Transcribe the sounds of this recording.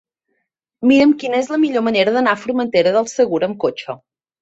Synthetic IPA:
miɾəmkinəezləmiʎoməneɾəðənafuɾmənt̪eɾəðəlˠsəɣuɾəmkot͡ʃə

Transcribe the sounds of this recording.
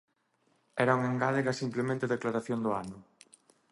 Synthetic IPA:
ɛɾauŋeŋɡaleɣasimplemẽnt̪ɪðeklaɾaθjond̪ʊanʊ

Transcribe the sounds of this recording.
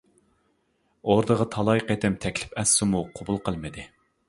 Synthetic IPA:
oɾd̪əʁət̪ʰɑlˠɑjqet̪ɪmt̪ʰɛkʲlɪ̥pɛsːɪmuqʰobulˠqʰəlˠmɨd̪ɪ

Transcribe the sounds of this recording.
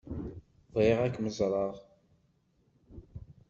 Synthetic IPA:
ðˤeʁækməzɾˤɑʁ

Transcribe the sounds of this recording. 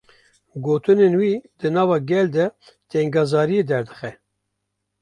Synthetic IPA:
ɡoːt̪ɨnenwiːd̪ɨnɑːvɑːɡʲɛld̪ɛ | t̪ʰɛŋɡɑːzɑːɾijed̪ɛɾd̪ɨ̥xɛ

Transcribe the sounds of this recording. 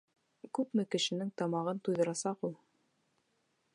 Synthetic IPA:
kʉpmɘkɘ̆ʃɘ̆nɘŋt̪ɑmɑʁɤnt̪ujðɤ̆ɾɑsɑqulˠ

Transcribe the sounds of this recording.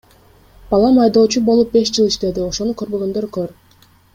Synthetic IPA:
b̥ɑlˠɑmɑjd̪o̞ːt͡ʃubo̞lˠup̚be̞ʃd͡ʒɯlˠiʃt̪e̞d̪io̞ʃo̞nukʰøɾbøɡø̞nd̪øɾkøɾ

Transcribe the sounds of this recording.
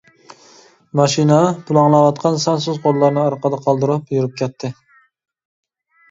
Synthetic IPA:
mɑʃinɑpulˠɑŋlˠɑwɑt̪qʰɑnsɑnsuzqʰolˠːɑɾnɨɑɾqəd̪ɑqʰɑlˠd̪ɨɾɑpjuɾɨp̚kʲʰɛt̪ʰːɪ

